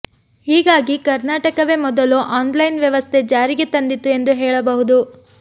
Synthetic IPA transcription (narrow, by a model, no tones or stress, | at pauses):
hiːɡaːɡikɐɾnaːʈɐkɐʋemɔd̪ɐluʔaːnlɐjnʋjɐʋɐst̪ʰe̞d͡ʒaːɾiɡet̪ɐnd̪it̪ːue̞nd̪uɦɛːɭɐbɐɦud̪u